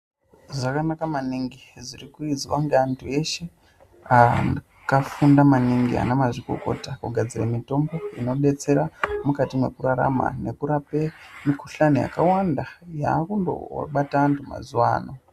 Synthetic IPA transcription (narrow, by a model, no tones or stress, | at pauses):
ʐakanakamaniŋɡizirikuiziʋaŋɡaantʰue̞ʃe̞ | a | kafundamaniŋɡia̰nemaʐiko̞̰ko̞̰takuɡʱad͡ziramito̞mbo̞ino̞ɗe̞t͡se̞ɾamukatimwe̞kuɾaɾa̰ma̰ne̞kuɾape̞mikuɬanija̰kawandajaːkundo̰ɓataːntʰuma̰zuwa̰ːno̞